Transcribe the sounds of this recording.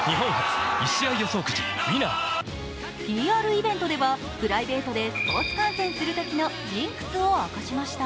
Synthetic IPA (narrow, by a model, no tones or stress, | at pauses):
ɲiɦõ̞ŋhat͡sɨ̥iɕiaijoso̞ːkɯ̟̥t͡ɕḭmʲina̰ | pʲiːaːɾɯ̟ibẽ̞nt̪o̞d̪e̞βa | pɯ̟ɾaibe̞ːt̪o̞d̪e̞sɨ̥po̞ːt͡sɨ̥kãɰ̃sẽ̞ɰ̃sɨɾɯ̟t̪o̞kʲino̞d͡ʑĩŋkɯ̟̥t͡sɨoakaɕimaɕi̥t̪a